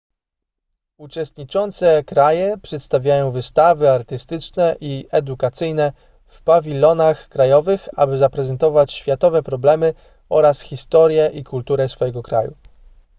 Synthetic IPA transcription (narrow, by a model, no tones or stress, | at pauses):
ut͡ʂɛst̪ɲit͡ʂɔnt̪sɛkɾajɛpʂɛt̪st̪avʲjajɔ̃w̃vɘst̪avɘaɾt̪ɘst̪ɘt͡ʂnɛʔiɛd̪ukat̪sɘjnɛ | fpavʲilɔnaxkɾajɔvɘxa̰bɘzapɾɛzɛnt̪ɔvat͡ɕɕfʲjat̪ɔvɛpɾɔblɛmɘ | ɔɾasxʲist̪ɔɾʲjɛʔikult̪uɾɛsfɔjɛɡɔkɾa̰jṵ